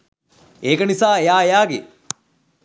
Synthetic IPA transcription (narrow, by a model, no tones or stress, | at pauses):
eːkənisaːejaːejaːɡḛ